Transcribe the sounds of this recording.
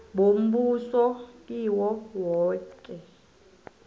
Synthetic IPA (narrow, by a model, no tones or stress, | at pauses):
ɓom̩ɓusɔiwɔwɔːkʼɛ